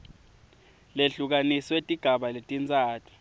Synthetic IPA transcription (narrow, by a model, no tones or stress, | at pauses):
leɬuk̬aniswetʼiɡ̥ʱaɓaletʼint͡sʼaːtʰu̥